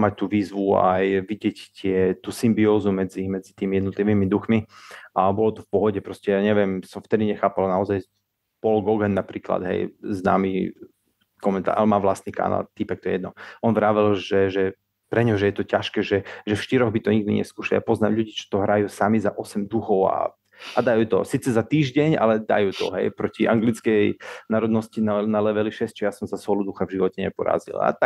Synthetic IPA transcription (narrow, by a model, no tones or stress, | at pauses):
mac̚t̪uːʋiːzʋua̰jʋiɟɪɛct̪ɪɛt̪uːsimbiɔːzumɛd͡zimɛd͡zit̪iːmijɛd̪nɔt̪liʋiːmid̪uxmiʔabɔlɔt̪ɔfpɔɦɔɟɛpɾɔscɛjaːɲɛʋɪjɛmsɔmft̪ɛd̪iɲɛxaːpalnaɔzaj | pɔlɡɔɡɛnːapɾiːkla̰d̪ɦɛ̰jzna̰ːmi | kɔmɛnt̪a̰ːalmaːʋlast̪nika̰ːna̰lt̪ipɛkt̪ɔjɛjɛd̪nɔʔɔnʋɾaːʋɛlʒɛʒɛ | pɾɛɲɦɔʒɛjɛt̪ɔcaʃkɛːʒɛʒɛfʃt̪iɾɔɣbit̪ɔɲiɡ̚d̪iɲɛ̰skuːʃalija̰pɔznaːmʎuɟiːt͡ʃɔ̥t̪ɔɦɾajuːsamizaʔɔsɛmd̪uxɔʊa̰ | ʔad̪ajuːt̪ɔ̰siːt͡sɛzat̪iːʒɟɛɲa̰lɛd̪a̰juːt̪ɔ̰ɦɛ̰jpɾɔciʔaŋɡlit͡skɛjnaːɾɔd̪nɔscinanalɛʋɛliʃɛst͡ʃɛjasɔmzasɔlud̪uxavʒiʋɔcɛɲɛ̰pɔɾa̰ːzḭla̰t̪a